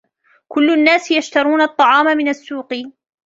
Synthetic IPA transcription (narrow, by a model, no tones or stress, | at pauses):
kʊlːnːaːsjaʃt̪ɑɾˤuːnaɑt̪ˤːɑʕɑːmamɪnasːuːqɨ